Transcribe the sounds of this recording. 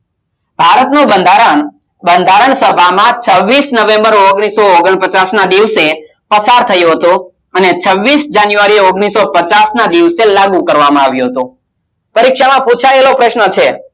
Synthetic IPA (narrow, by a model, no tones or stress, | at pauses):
bʱaɾət̪nobənd̪ʱaɾəɳ | bənd̪ʱaɾəɳsəbʱamãt͡ʃʰəʋːisnəʋẽmbəɾoɡɽ̃isooɡəɳpət͡ʃasnad̪iʋse | pəsaɾt̪ʰəjõɦət̪o | ənet͡ʃʰəʋːisd͡ʒanjuʋaɾioɡɳ̃isːopət͡ʃasnad̪iʋselaɡukəɾʋamãaʋjõɦət̪õ | pəɾikʃamãput͡ʃʰaelopɾəʃnət͡ʃʰe